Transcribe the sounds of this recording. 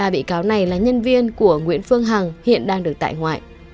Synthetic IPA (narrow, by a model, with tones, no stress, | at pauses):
aː˨˩ɓḭ˧˨kaː˨˦wna˨˩jlaː˨˩ɲə˧nvi˧ənku˧˩əŋwḭ˧˥ənfɨ˧əŋɦa˨˩ŋhḭ˧˨ənɗaː˧ŋɗɨ˨˩ək̪̚a̰ː˧˨jŋwa̰ː˧˨j